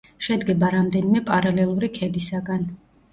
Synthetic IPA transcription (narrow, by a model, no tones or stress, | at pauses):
ʃɛd̪ɡɛbaɾamd̪ɛnimɛpʼaɾalɛlˠuɾikʰɛd̪isaɡan